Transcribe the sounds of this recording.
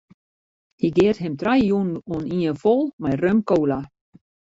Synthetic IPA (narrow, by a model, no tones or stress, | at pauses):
hiɡɛːɾ̥ɦɛmt̪ʰɾajjunɔniənfolmajrœmkowla